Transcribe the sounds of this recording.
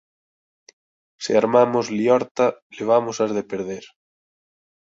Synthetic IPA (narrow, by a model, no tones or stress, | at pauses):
sḛaɾmamozliɔɾt̪aleβ̞amosazðepeɾð̞eɾ